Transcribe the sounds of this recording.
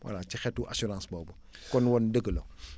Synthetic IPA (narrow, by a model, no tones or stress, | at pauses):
wʔa̰lat͡ʃixɛtːuʔa̰suɾãːnsbɔːbu | kɔnwɔndəɡəlo